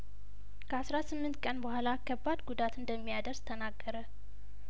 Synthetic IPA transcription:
kʰəasɾasɨmːɨnt̪kʼənbəhʷalakʰːəbːad̪ɡud̪at̪ɨnd̪əmːijad̪əɾst̪ʰənaɡːəɾə

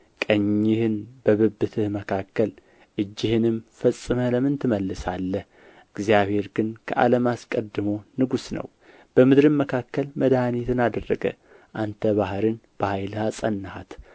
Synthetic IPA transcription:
kʼəɲːɪhɨnbəβɨbːɨt̪ʰɨhməkʰakʰːəl | ʔɨd͡ʒːɪhɨnɨmfəsʼːɨmələmɨnt̪ʰɨməlːɨsalːəh | ɨɡzjaβhe̞ɾɡɨnkʰə̰ʔa̰ləmaskʼəd̪ːɨmo̞nɨɡusnə̰w | b̥əmɨd̪ɾɨmməkʰakːəlməd̪ahanit̪ʰɨnad̪ərːəɡə̰ | ʔant̪ʰəβaɦɾɨnb̥əhajlhasʼənːahat̪

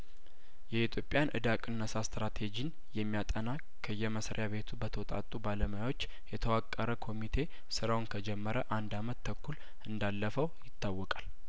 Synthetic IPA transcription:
jɛit̪ʰjo̞pʼːjanʔɨ̰d̪akʼɨnːəsast̪ɾat̪ʰe̞d͡ʒin | jɛmːijat̪ʼəna | kʰəjːɛməsɾḛjaβe̞t̪ʰubət̪ʰəwt̪ʼa̰t̪ʼːubaləməjawo̞t͡ʃː | jɛt̪ʰəwakʼːəɾəkʰo̞mit̪ʰe̞ | sɨɾawnkʰəd͡ʒɛmːəɾəʔand̪amət̪ʰːəkʰːul | ɨnd̪alːəfəwjɪt̪ːawːɔkʼal

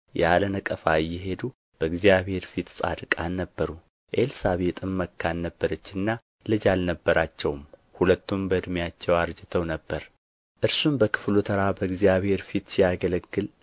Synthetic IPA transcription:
jɛ̰alənəkʼəfajːɪɦe̞d̪u | b̥əɨɡzijaβhe̞ɾfit̪sʼa̰d̪ɨkʼanːəbːəɾu | ʔelsaβe̞t̪ʼɨmːəkʰːanːəbːəɾət͡ʃːɨnːa | lɨd͡ʒalnəbːəɾat͡ʃːɛwmhulət̪ːumbəɨd̪mjat͡ʃːɛwaɾd͡ʒɨt̪ʰəwnəbːəɾ | ʔɨɾsumbəkʰɨ̥flut̪ʰəɾabəɨɡzijaβhe̞ɾfit̪sijaɡələɡːɨl

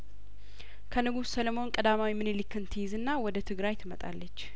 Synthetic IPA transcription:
kʰənɨɡussələmo̞nkʼəd̪amawimɨnelikːɨnt̪ʰijzɨnːawɔd̪ət̪ʰɨɡɾajt̪ʰɨmət̪ʼa̰lːət͡ʃː

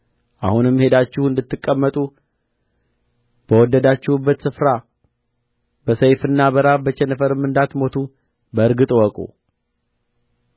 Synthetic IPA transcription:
ʔahunɨmːhe̞d̪at͡ʃːɪhuɨnd̪ɨt̪ːɨkʼːəmːət̪ʼu | b̥əwɔd̪ːəd̪at͡ʃːɪhubːət̪sɨfɾa | b̥əsəjfɨnːabəɾabət͡ʃːenəfəɾɨmːɨnd̪at̪mo̞t̪ʰu | bəɨɾɡɨt̪ʼwɔkʼṵ

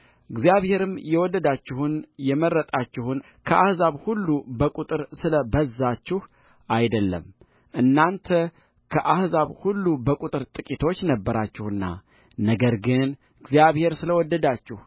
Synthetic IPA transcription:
ɨɡzijaβhe̞ɾɨmjɛwɔd̪ːəd̪at͡ʃːɪhunjɛmərːət̪ʼat͡ʃːɪhʊn | kʰəʔahzaβhulːubəkʼut̪ʼɨɾsɨləbəzːat͡ʃːɪh | ʔajd̪əlːə̰m | ʔɨnːant̪ʰə | kʰəʔahzaβhulːubəkʼut̪ʼɨɾt̪ʼɨkʼit̪ʰo̞t͡ʃːnəbːəɾat͡ʃːɪhɨnːa̰ | nəɡəɾɡɨn | ɨɡzijaβhe̞ɾsɨləwɔd̪ːəd̪at͡ʃːɪh

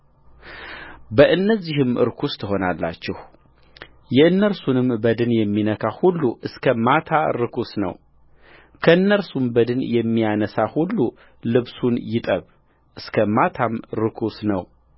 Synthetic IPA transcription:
bəʔɨnːəzːihɨmʔɨ̰ɾkʰust̪ʰɨɦo̞nalːa̰t͡ʃːɛh | jɛɨnːəɾsunɨmbəd̪ɨnjɛmːinəkʰahulːuʔɨskʰəmat̪ʰaɾɨkʰusnə̰w | kʰəɨnːəɾsumbəd̪ɨnjɛmːijanəsahulːu | lɨβsunjɪt̪ʼəβ | ʔɨskʰəmat̪ʰamɾɨkʰusnəw

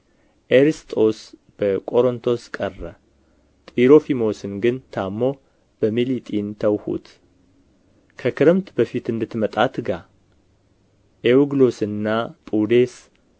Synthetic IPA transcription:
ʔeɾist̪ʼo̞s | b̥əkʼo̞ɾont̪ʰo̞skʼərːə | t̪ʼiɾo̞fimo̞sɨnɡɨnt̪ʰamːo̞ | b̥əmilit̪ʼint̪ʰəwhṵt̪ | kʰəkʰɨɾəmt̪bəfit̪ɨnd̪ɨt̪mət̪ʼat̪ɡa | ʔewɡlo̞sɨnːapʼud̪es

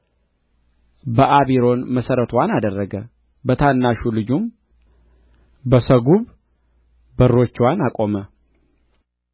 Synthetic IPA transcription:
bəʔaβiɾo̞nməsəɾət̪ʰwanad̪ərːəɡə | bət̪ʰanːaʃulɨd͡ʒum | bəsəɡuβ | bərːo̞t͡ʃːwanakʼo̞mə

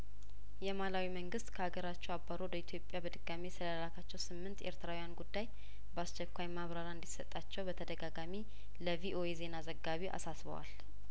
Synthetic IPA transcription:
jɛmalawiməŋɡɨst̪kʰəaɡəɾat͡ʃːɛwabːaɾod̪əit̪ʰjo̞pʼːjabəd̪ɨɡamisɨləəlakʰat͡ʃːɛwsɨmːɨnt̪eɾt̪ʰɨɾawijanɡud̪ːaj | bəast͡ʃɛkʷːajmaβɾaɾaɨnd̪isət̪ʼːat͡ʃːɛwbət̪ʰəd̪əɡaɡami | ləviʔo̞ʔeze̞nazəɡːaβiʔa̰sasβə̰wa̰l

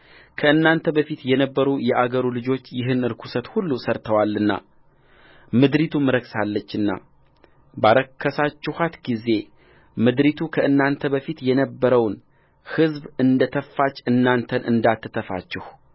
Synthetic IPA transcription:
kʰəɨnːant̪ʰəbəfit̪jɛnəbːəɾujɛʔaɡəɾulɨd͡ʒo̞t͡ʃːjɪɦɨnɨɾkʰu̥sət̪hulːusəɾt̪ʰəwalːɨnːa̰ | mɨd̪ɾit̪ʰumɨɾəksalːət͡ʃːɨnːa̰ | baɾəkʰːəsat͡ʃːɪhat̪ɡize̞ | mɨd̪ɾit̪ʰukʰəʔɨnːant̪ʰəbəfit̪jɛnəbːəɾəwn | hɨzbɨnd̪ət̪ʰəfːat͡ʃːɨnːant̪ʰənʔɨ̰nd̪at̪ʰːɨt̪ʰəfa̰t͡ʃːɪh

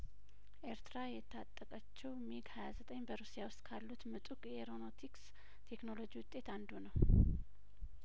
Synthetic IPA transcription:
ʔeɾt̪ʰɨɾajɛt̪ʰːat̪ʼːəkʼət͡ʃːɛwmiɡhajazət̪ʼəɲːbəɾusijawʊst̪ʼkʰalːut̪mɨt̪ʼukʼjɛɾo̞no̞t̪ʰiks | t̪ʰe̞kno̞lo̞d͡ʒiwʊt̪ʼːe̞t̪and̪unəw

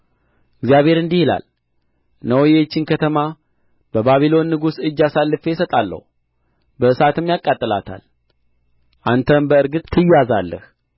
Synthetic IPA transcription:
ɪɡzjaβhe̞ɾɨnd̪ihila̰l | nəwɔjet͡ʃːɪnkʰət̪ʰəma | bəbaβilo̞nːɨɡusɨd͡ʒːasalːɨfejsət̪ʼalːə̰hu | bəɨsat̪ʰɨmjakʼːat̪ʼːɨla̰t̪ʰa̰l | ʔant̪ʰəmbəɨɾɡɨt̪ʼʰːɨjːazalːəh

